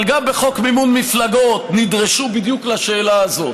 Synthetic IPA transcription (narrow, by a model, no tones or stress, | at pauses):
lɡambeχo̞kmimunmiflaɡo̞t̪nid̪ʁeʃubid̪juklaʃeːlaazo̞